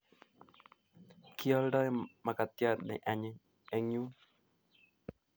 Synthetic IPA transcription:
kʰi˦ɔ˦lɖɔ˦jma˨ka˨t̪ja˦tnɛ̰˨ʔa˨ɲɪ˦ | ɛ˦ŋu˦

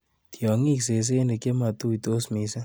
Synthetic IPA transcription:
t̪jɔ˨ŋi˦ks̬e˨s̬e˦ne˨ke˦ma˨t̪u˦i˨t̪o˦smi˨˦sa˦

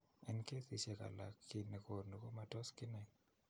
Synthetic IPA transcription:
ɛ˦nke˦tɪ˨sɛka̰˨la˨kːɪ˨ne˨ko˨ɾno˨ko˦ma˨tɔ˦skɪ˦nɛ˨

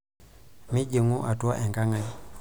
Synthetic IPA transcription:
mɪ˦d͡ʒə˨ŋu˦ʔa˨twa˦ʔɛ˨ŋɡa˦ŋa˦

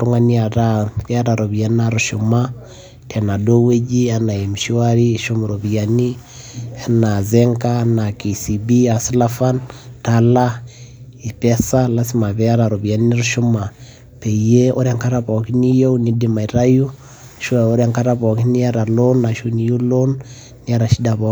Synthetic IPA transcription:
ɾu˦ŋa˦nia˨ta˦kɛ˦a˦ɾa˨ɾo˨bi˨ja˦na˦ɾuʃu˨ma˦ | tʰɛ˨na˨do˦we˦d͡ʒi˦a˦na˨e˨m˨ʃi˦wa˦ɾi˦ʃu˦m˨ɾo˨bjani˦ | a˦na˨zɛŋka˦na˨ki˨si˨bi˦a˨slafa˦ntala˦ | i˨pɛsa˦la˦si˦ma˨βɛ˦a˦ɾa˨ɾo˨βi˨a˨ni˦ni˦ɾuʃu˦ma˨ | pe˨je˦o˦ɾɛŋka˦ɾapɔ˨ki˦ni˦jo˦uni˦dima˨i˨ɾa˦ju˦ | ʃwao˦ɾɛŋka˦ɾa˦βɔ˨ki˦ni˦a˦ɾa˨lo˦nːa˨ʃu˦ni˨ju˦lo˦nː | i˦a˦ɾa˨ʃi˦da˨βɔ˦

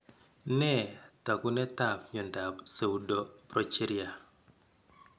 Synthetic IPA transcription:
nɛ˦˨ta˨ku˦nɛ˦ta˨pɲɔ˨nda˨pse˨u˦do˦pɾɔ˦t͡ʃe˦ɾija˨

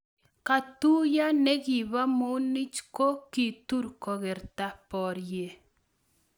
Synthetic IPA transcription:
ka˨tu˦ja˦nɛ˦ɡi˨βa˦mo˦ni˦t͡ʃko˦ki˨tu˦ɾkɔ˨ɣɛ˨ɾta˦pɔ˨ɾje˦

